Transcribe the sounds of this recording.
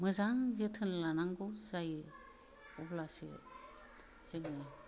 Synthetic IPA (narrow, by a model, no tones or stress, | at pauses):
mɯzaŋzɯtʰɯnlanaŋɡozaj | ɔblasḭ | z̥ɯk̚nɯ